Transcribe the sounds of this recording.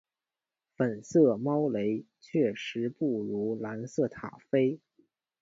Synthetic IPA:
fə˨˩nsɤ˥˩mɑ˥ʊle˧˥ɪ | t͡ɕʰɥɛ˥˩ʂɻ̩˧˥pu˥˩ɻu˧˥la˧˥nsɤ˥˩t̪ʰa̰˨˩fe˥ɪ

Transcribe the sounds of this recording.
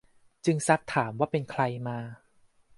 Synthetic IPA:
t͡ɕɯ˧ŋsa˦˥t̪ʰːaː˩˦mwaː˥˩pe˧nkʰɾa˧jmaː˧

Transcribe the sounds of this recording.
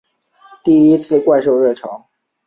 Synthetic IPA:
t̪i˥˩i˥t͡sʰɹ̩˥˧kwa˥˧ɪʂ̬o˥˧ʊɻɛ˥˩ʈ͡ʂʰɑ˧˥ʊ

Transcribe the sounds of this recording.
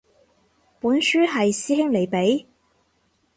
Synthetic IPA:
puː˨˥nsyː˥ɦɐ˨jsiː˥hɪ˥ŋle˨˩jpe˨˥j

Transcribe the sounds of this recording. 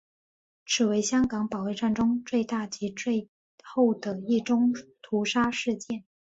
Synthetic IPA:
ʈ͡ʂʰɻ̩˨˩we˧˥ɪɕjɑ˥ŋkɑ˧˥ŋpɑ˨˩ʊli˥˧ʈ͡ʂa˥˩nʈ͡ʂʊ˥ŋt͡swe˥˧ɪt̪a˥˩t͡ɕi˧˥ʈ͡ʂwe˥˧ɪ | xo˥˩ʊd̪ə˩i˥˩ʈ͡ʂʊ˥ŋt̪ʰu˧˥ʂa˥ʂɻ̩˥˧t͡ɕjɛ˥˩n

